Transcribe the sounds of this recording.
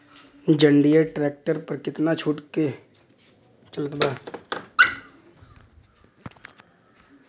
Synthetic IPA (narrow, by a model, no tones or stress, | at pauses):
d͡ʒəɳɖijəɾʈɾɛːk̚ʈəɾpəɾkɪt̪nat͡ʃʰuːʈke | t͡ʃələt̪baː